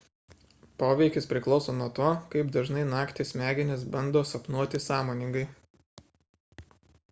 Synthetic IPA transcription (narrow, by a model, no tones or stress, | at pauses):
poːʋʲɛɪkʲɪspʲɾʲɪklˠɒʊsoːnuɔt̪oːkɐɪpd̪ɐʒnɐɪnɑːkt̪ʲesmʲæːɡʲɪnʲɪs̬bɐnd̪oːsɐpnuɔt̪ʲɪsɑːmoːnʲɪŋɡɐɪ